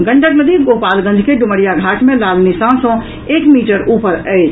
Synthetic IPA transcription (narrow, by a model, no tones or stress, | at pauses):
ɡə̃ɳɖəkləd̪iɡoɦpaːlɡə̃nd͡ʒʱkeɖʊməɽijaɡʱaːʈmẽlaːlnisãsɔ̃ | eːkmiːʈəɾʔuːpəɾəɪt͡ʃʰ